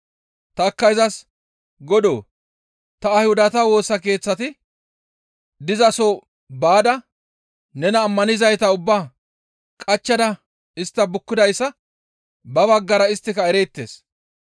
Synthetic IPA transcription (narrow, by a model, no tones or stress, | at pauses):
t̪ɐːkːɐjzɐs | ɡɔd̪oː | t̪ɐːjhʊd̪ɐt̪ɐwo̞ːsːɐke̞ːt͡sːɐt̪ɪ | d̪ɪzɐso | baːd̪ɐ | nɛnɐːmːɐnɪzɐjt̪ɐʊbːaː | kʼɐt͡ʃːɐd̪ɐ | ɪst̪ːɐbʊkːɪd̪ɐjsːɐ | bɐbɐɡːɐɾɐɪst̪ːɪkɐɛɾeːt̪ːe̞̰ːs